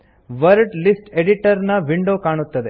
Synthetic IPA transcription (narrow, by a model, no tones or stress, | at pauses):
ʋɐɾɖlisʈeɖiʈɐɾnɐʋiɳɖoːkaːɳ̃ut̪ːɐd̪e